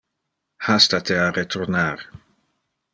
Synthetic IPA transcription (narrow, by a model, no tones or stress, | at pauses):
hast̪at̪ʰearet̪ʰɔrnaɾ